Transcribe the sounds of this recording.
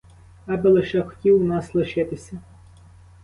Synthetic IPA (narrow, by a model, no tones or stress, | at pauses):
ɐbɪlˠeʃɛxɔ̥tʲiwnɑslˠɪʃɪt̪ɪsʲɐ